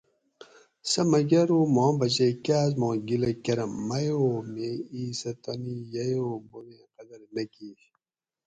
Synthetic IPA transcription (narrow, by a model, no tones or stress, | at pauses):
sɐmɐɡɐɾoːmɔ̃ːbɐt͡ɕekaːzmõːɡilɐkɐɾɐmːɐjoːmeiːsɐt̪ɐnijɐjoːbonẽqɐd̪ɐɾnɐki